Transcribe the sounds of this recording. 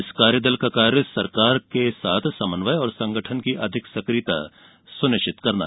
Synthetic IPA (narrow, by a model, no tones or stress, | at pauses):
ɪskaːɾjəd̪əlkakaːɾjəsɐɾkaːɾkesaːt̪ʰsɐmənʋajɔːɾsɐ̃ŋɡəʈʰənkiʔɐd̪ʱɪksɐkɾit̪a̰ | sʊnɪt͡ʃɪt̪kɐɾna̰ɦɛ